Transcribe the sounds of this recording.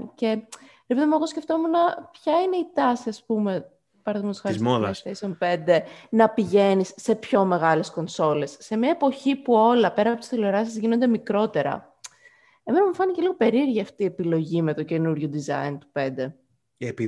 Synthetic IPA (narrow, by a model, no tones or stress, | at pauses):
ce̞ | ɾepeðimeeɣo̞sceft̪omunɐpçɐine̞it̪ɐsiɐspume̞ | pɐɾɐðimosxɐɾizoɐsθesionpe̞nd̪e̞nɐpiʝe̞nisːe̞pço̞me̞ɣɐle̞sko̞nso̞le̞sːe̞mɐepo̞çipuo̞lɐpe̞ɾɐpoi̥sθileoɾɐsizʝino̞nd̪e̞mikɾo̞t̪e̞ɾɐ̰ | e̞menɐmufɐnice̞liɣope̞ɾieɾʝiɐft̪ie̞pilo̞ʝime̞t̪o̞ce̞nuɾʝo̞d̪izɐ̰int̪u̥pe̞nd̪e̞ | epi